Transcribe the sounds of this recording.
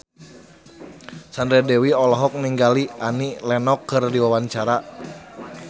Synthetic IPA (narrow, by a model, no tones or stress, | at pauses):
sandɾɛdɛwiɔlɔɦɔk̚niŋɡaliʔanilɛnɔkːɨrdiwawaɲt͡ʃaɾa